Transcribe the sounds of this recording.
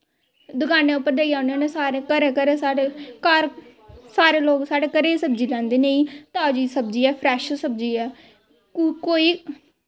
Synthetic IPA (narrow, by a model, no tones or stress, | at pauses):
d̪ʊkaːnẽːʊpːəɾd̪eːiaːʊnõːnesaːɾekəɾeːkəɾeːsaːɽekaɾ | saːɾeːloːɡsaːɽeːkəɾeːsəb̚d͡ʒiːlɛ̃ːnd̪eːnẽĩːt̪aːd͡ʒiːsəbd͡ʒiːɛːpʰɾɛːʃsəb̚d͡ʒiːɛː | koːiː